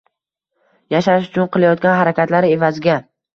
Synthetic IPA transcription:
jaʃaɪʃʊt͡ʃʰʊnqʰɨlˠajɒt̪̚ɡʲanɦaɾakʲat̪laɾe̞vazɪɡʲa

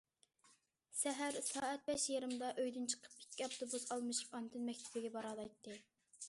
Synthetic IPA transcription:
sɛɦæɾsɑːɛt̪̚bɛʃjeɾɨmd̪ɑʔøjd̪ynt͡ʃʰqʰə̥p̚pi̥kʲʰːiɑpt̪ʰobusɑlˠmɨʃu̥pɑnt̪ʰɨnmɛkʲt̪ʰɪbɪɡʲɛbɑɾɑlˠɑjt̪ːɨ

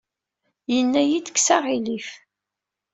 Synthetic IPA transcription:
jənːæjid̪kːsaʁilif

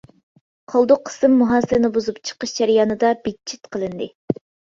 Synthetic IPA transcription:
qʰɑlˠd̪ʊqʰːə̥sɨmːuɦɑːsɨlɪnɪbuzupt͡ʃʰə̥qəʃd͡ʒæɾjɑːnɨd̪ɑbit̪̚t͡ʃʰːit̪qʰəlˠɨnd̪ɨ

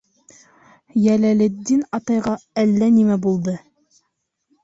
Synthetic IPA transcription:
jælælɘd̪ːinɑt̪ɑjʁɑælːænimæbulˠd̪ɤ

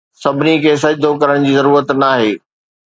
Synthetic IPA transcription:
sɐbʱɪnikʰeːs̬ɐd͡ʑd̪ʱokɐɾəɽ̃d͡ʑiːzɐɾuːɾət̪naːɦeː

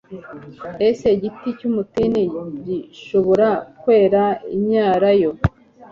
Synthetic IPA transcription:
eseɟiticumutiniɟiʃoβo̞ɾakwe̞ːɾaimɲaːɾajo̞

